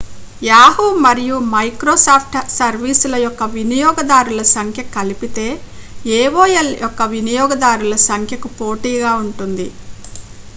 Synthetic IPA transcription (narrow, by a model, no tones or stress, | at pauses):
jaːɦuːmɐɾijumɐjkɾoːsaːpʰʈsɐɾʋiːsulɐjɔkːɐʋinijɔːɡɐd̪aːɾulɐsɐŋkʰjɐkɐlipit̪e̞ː | eːʋoːjɐljʔɔkːɐʋinijɔːɡɐd̪aːɾulɐsɐŋkʰjɐkupo̞ːʈiːɡaːuɳʈund̪i